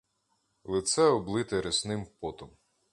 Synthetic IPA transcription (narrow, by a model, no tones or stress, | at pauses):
lˠɪt̪sɛɔblˠɪt̪ɪɾɪsnɪmpɔt̪ɔm